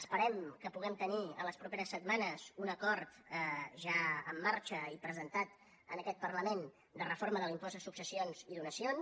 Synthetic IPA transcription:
əspəɾɛmkəpuɣ̞ɛmt̪əniə̰ləspɾupeɾəsːət̪manəzunəkɔɾt̪ʒaəmːaɾt͡ʃəipɾəzənt̪at̪ | ənəkɛt̪̚pərləmen | d̪ərəfoɾməðəlimpɔzəsuksəsionziðunəsion

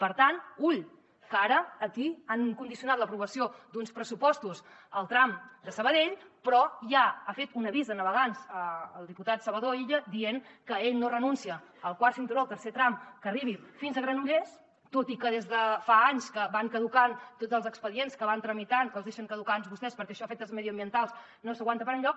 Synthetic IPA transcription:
pəɾt̪anuʎ | kaɾəːkiaŋkund̪isiunat̪ləpɾuβəsiod̪unspɾəsupɔst̪us | əlˠt̪ɾamd̪əsəβəðeʎpɾɔjaafet̪unəβizðənəβəɣ̞anzəːlˠd̪iput̪at̪səβəðoiʎəd̪ieŋkəeʎnorənunsiəː | lˠkwaɾsimt̪uɾalˠt̪əɾset̪ɾamkəriβ̞ifinzəɣɾanuʎes | t̪ot̪ikəðezðəfaaɲskəβaŋkəðukant̪ozəlˠzəkspəðienskəβant̪ɾəmit̪ankəlˠzðeʃəŋkəðukanzβust̪ɛspəɾkɛəʃɔafet̪əlzməðiəmbiənt̪alˠs | nosəɣwant̪əpəɾəɲʎɔk̚

